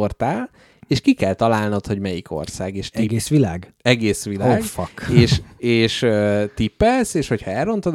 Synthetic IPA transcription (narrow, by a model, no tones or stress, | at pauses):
ort̪aːl | eːʃkikɛlt̪ɒlaːlnot̪ho̞ɟmɛjikʰo̞̰rsaːɡeːʃt̪iɡeːsʋilaːɡɛɡeːsʋilaoːɡfɒkeːʃeːʃøt̪ipːɛseːʃho̞chɒɛrːo̞nt̪od̪